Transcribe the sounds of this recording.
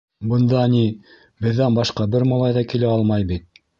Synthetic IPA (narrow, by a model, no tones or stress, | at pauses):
bɤ̆nd̪ɑni | bɘ̆ðːænbɑʃqɑbɘɾmɑlˠɑjðɑkilɘɑlˠmɑjbit̪̚